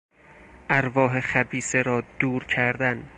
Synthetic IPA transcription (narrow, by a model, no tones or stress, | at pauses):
ʔæɾvɒːɦeχæbiːseɾɒːd̪̥uːɾcʰæɾd̪æn